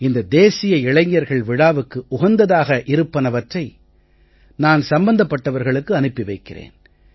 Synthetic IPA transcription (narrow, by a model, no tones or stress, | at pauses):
ɪnd̪ɐd̪eːsɪjɐɪɭɐɪɲːɐɾɣɐɭʋɪɽaːʋɯkːɯʔʊɣɐnd̪ɐðaːɣɐʔɪɾɯpːɐnɐʋɐʈrɐɪ | naːnsɐmbɐnd̪ɐpːɐʈːɐʋɐɾɣɐɭɯkːɯɐnɯpːɪʋɐɪkːɪrḛːn